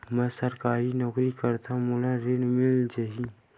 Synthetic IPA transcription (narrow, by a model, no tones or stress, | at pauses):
mɛsəɾkaːɾinɔːkɾikəɾt̪ʰãmʊlaɾeːɽmɪld͡ʒaɦi